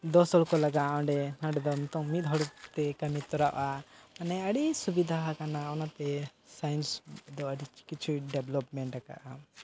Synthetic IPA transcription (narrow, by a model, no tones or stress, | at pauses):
d̪ɔsɔlkɔlaɡaɔ̃ɳɖɛaɖɛd̪ɔmt̪ɔŋmit̪ɦɔɽt̪ɛkəmit̪ɔɾaʔaanɛəɽisubid̪ʱaɦkanaɔnat̪ɛsajnsd̪ɔəɖikit͡ʃʰuɖɛblɔpmɛɳʈaka̰ʔa